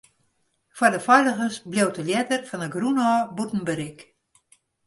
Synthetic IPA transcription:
fwɔrdəfɔjləɣənsblowtəljɛtərfɔnəɡrunɔːbutn̩bəɾɪk

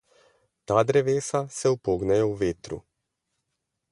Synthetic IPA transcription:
t̪aːd̪ɾɛʋeːsasɛupoːɡnɛjɛwʋeːt̪ɾṵ

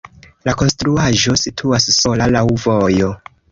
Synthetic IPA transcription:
lako̞nstɾuaʒo̞sitʰuasːo̞lalawvojo̞

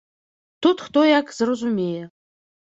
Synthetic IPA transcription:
t̪ʰut̪χt̪ojakʰʼz̥rɐzumʲejɛ

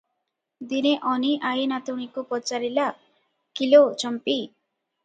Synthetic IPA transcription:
d̪ineʔɔniʔajnat̪uɽ̃ikopɔt͡ʃaɾila | kilot͡ʃʌmpi

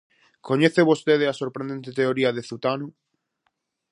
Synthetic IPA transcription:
koɲeθeβost̪eðeasoɾpɾend̪ent̪et̪eoɾiɐðeθut̪anʊ

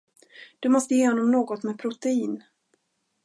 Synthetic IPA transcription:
d̪̥ɵmɔst̪əjeːhɔnːɔmnoːɡɔt̪mɛːpʰɾʊt̪ɛiːn

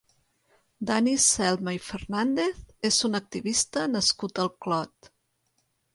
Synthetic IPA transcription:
d̪anisɛlˠməifərnand̪eθezunək̚t̪iβist̪ənəskut̪əlˠklɔt̪

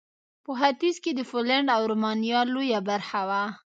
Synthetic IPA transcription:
pəɦat̪isked̪əfolaɳɖawɾomɑnijɑlojabaɾxawa

